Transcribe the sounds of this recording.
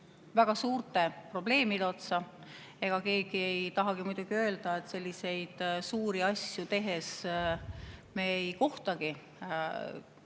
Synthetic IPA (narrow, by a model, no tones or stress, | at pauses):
væɡ̥ɑsuːrt̪e̞pro̞ble̞ːmid̪eo̞t̪sɑ | e̞ɡ̥ɑke̞ːɡ̥ie̞jt̪ɑɦɑɡ̥imujd̪̥uɡ̥iø̞ːld̪̥ɑe̞t̪ːˑse̞lʲːise̞jd̪̥suːɾiɑsjut̪e̞ɦe̞s | me̞jko̞ht̪ɑɡ̥i